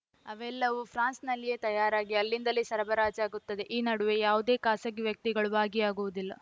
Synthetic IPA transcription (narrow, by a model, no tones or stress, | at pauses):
ɐʋɛlːɐʋupʰɾaːnsnɐlːije̞ːt̪ɐjaːɾaːɡiɐlːind̪ɐlisɐɾɐbɐɾaːd͡ʒaːɡut̪ːɐd̪e̞ʔiːnɐɽuʋe̞jaːʋud̪e̞ːkaːsɐɡiʋjɐk̚t̪iɡɐɭubaːɡiaːɡuʋud̪ilːɐ